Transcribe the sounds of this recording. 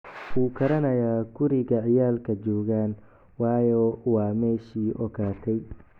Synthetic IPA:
wuːkʰɐɾɐnɐjaːɡʊɾɪɣɐʕɪjaːlkʰɐt͡ʃɔːɣaːn | wɑːjɔwɑːmɛːʃiːʔɔɣʰaːt̪ʰɛj

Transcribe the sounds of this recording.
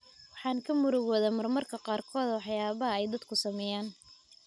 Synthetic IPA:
wɑħɑːŋkʰɐmʊɾɔɣɔːðaːmɐrmɐrkʰɐqɑːrkʰɔːd̪wɑħjaːβɐɦɐɛjd̪ɐd̪kʰʊsɐmɛjaːn

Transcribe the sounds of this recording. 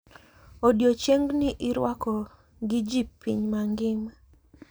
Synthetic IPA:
odjot͡ʃeŋɡnɪʔɪɾwakɔ | ɡɪd͡ʒipːḭɲmaŋɡɪma

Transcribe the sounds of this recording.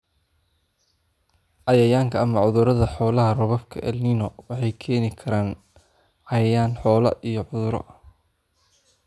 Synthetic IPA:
ʔɑjɐjaːŋkʰɐʔɐmɐʕʊðʊɾɐðɐħɔːlɐɦɐrɔβɐfkʰɐʔɛlninɔwɑħɑjkʰɛːnɪkʰɐɾaːn | ʕɑjɐjaːnħɔːlɐ̰ʔijɔʕʊðʊɾɔ̰

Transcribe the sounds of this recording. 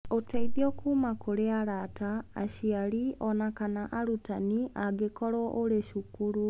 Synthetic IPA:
otaiðjokʰuːmakoɾeaɾata̰ːɕialiɔnakanaʔaɾutaniaɡekɔɾɔʔoleʃukuɾu

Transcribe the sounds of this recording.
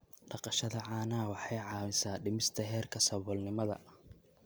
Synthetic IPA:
ɖɑqɑʃɐðɐʕɑːnaːwɑħɑjʕɑːwɪsaːɖɪmɪst̪ʰɐɦɛːrkʰɐsɐβɔlnɪmɐðɐ̰

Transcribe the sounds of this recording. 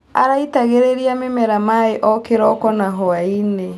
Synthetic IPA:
a̰ɾaitaɣeɾeɾiamemɛɾamaeʔɔkeɾɔkɔnaɦɔaine

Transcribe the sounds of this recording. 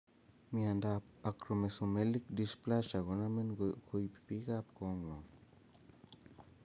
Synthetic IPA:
miandapakɾomesumelik̚d̪isplaʃaɡonamenkʰojpi̥piɡapkoŋwa

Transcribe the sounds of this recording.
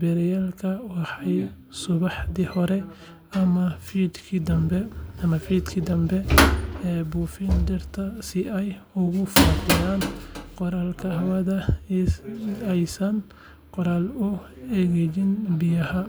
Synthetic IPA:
bɛɾjaːlkʰɐwɑħɑj | sʊβɑħd̪ihɔɾɛ | ɐmɐfiːd̪kʰid̪ɐmbɛɐmɐfiːd̪kʰiːd̪ɐmbɛɛbuːfind̪ɪrt̪ʰɐsɪʔɛjʊɣʊfɐfɪjaːnqɔɾaːlkʰɐɦɐwɐðɐ | ɛjsɐn | qɔɾaːlʊɛɣɛjɪnbɪjɐhɐ

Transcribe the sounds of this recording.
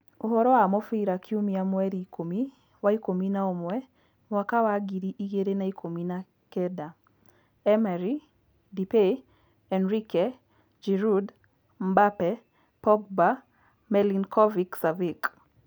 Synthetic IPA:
oɦɔɾɔamɔfiɾakʰiumiamwɛɾikʰomi | waikominaɔmwɛ | makawaɡiɾiʔiɡeɾenaikʰomina | kɛda | ɛmaɾi | dipe | ɛnɾikɛ | d͡ʒɛɾud | mbapɛ | pɔɡ̚ba | mɛlinkʰɔviksavik

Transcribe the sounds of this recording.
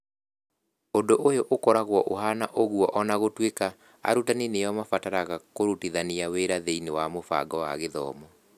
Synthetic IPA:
ondoʔojoʔokɔɾaɣwɔʔoɦanaʔoɣuɔʔɔnaɣotweka | a̰ɾutaninejɔmafataɾaɣakoɾutiðaniaweɾaðeinewamofa̰ɡɔwa̰ɣeðɔ̰ːmɔ

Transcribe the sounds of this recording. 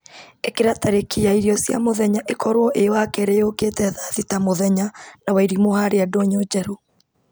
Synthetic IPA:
ekeɾataɾekʰijaiɾiɔsja̰moðɛɲaʔekɔɾwɔʔewakɛɾeoketɛðaðitamoðɛɲanawaiɾimohaɾeadoɲod͡ʒɛɾo

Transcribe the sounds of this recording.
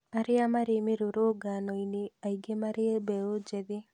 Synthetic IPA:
aɾɪamaɾemeɾoɾoɡanɔineaiɡemaɾeɛbɛod͡ʒɛðɪ

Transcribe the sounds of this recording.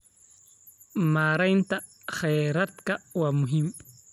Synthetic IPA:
maɾajnta | xajɾat̪kawamuɦim

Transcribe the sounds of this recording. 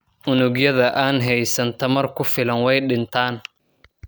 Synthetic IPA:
ʔʊnʊɡjɐðɐʔaːnɦɛjsɐnt̪ʰɐmɐrkʰʊfɪlɐnwɛjɗɪnt̪ʰaːn

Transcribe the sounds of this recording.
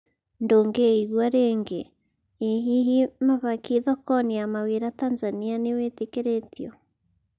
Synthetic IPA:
ndoːŋɡeiɣwaɾeŋɡḛ | eɦiɦimaβakiðɔkɔniamaweɾatanzanianewetekeɾetiɔ

